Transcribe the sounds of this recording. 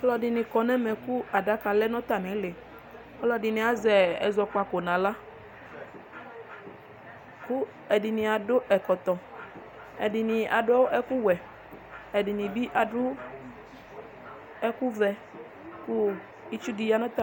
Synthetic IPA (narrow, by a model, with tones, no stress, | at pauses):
ɔ˦lɔ˦dɪ˨nɪ̃˨kɔ˨nɛ˦mɛ˨ku˦a˨da˦ka˨lɛ˦nɔ̃˦t̪a˨nɪ̃˨˦le˨ | ɔ˦lɔ˦dɪ˨nĩ˨a˨zɛ˨ɛ˨zɔ˨ka˨ko˨nã˨la˦ | ku˦ | ɛ˨dɪ˨nĩ˨a˨do˦ʔɛ˨kɔ˨t̪ɔ˨ | ɛ˨dɪ˨nɪ̃˨ʔa̰˨dʊ˦ʔɛ˦ku˦wɛ˨ | ɛ˨dɪ˨nĩ˨bi˦ʔa˨ɖʊ˦ | ɛ˦ku˦vɛ˨ | ku˦ | i˦t͡ʃu˦di˨ja˦nɔ̃˦t̪a˨